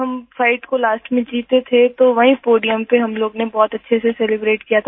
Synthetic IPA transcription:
ɦɐmfaɪʈkolaːsʈmẽd͡ʒiːt̪et̪ʰet̪oʋɐɦĩpoːɖijəmpeɦɐmloːɡnebɔːt̪ɐtːʃʰesesɛlɪbɾeːʈkijat̪ʰa

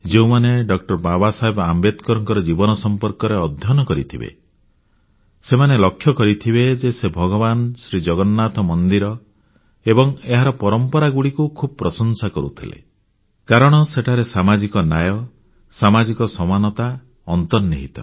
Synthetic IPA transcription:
d͡ʒeũmaneɖɔkʈɔɾbabasaɦebambet̪kɔɾɔŋkɔɾɔd͡ʒibɔnɔsɔmpɔɾkɔɾeɔd̪ʱjɔnɔkɔɾit̪ʰibḛ | semanelɔkʰːjɔkɔɾit̪ʰibed͡ʒesebʱɔɡɔbansɾid͡ʒɔɡɔnːat̪ɔmɔnd̪iɾɔ | ebɔŋeɦaɾɔpɔɾɔmpɔɾaɡuɽikukʰubɔpɾɔsɔnsakɔɾṵt̪ʰilḛ | kaɾɔɽ̃ɔseʈʰaɾesamad͡ʒikɔnajɔ | samad͡ʒikɔsɔmanɔt̪a | ɔnt̪ɔniɦit̪ɔ

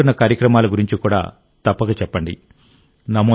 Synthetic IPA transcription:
unːɐkaːɾjɐkɾɐmaːlɐɡuɾiɲt͡ʃikuːɽa̰ː | t̪ɐpːɐɡɐt͡ʃɛpːɐɳɖḭ | nɐmo

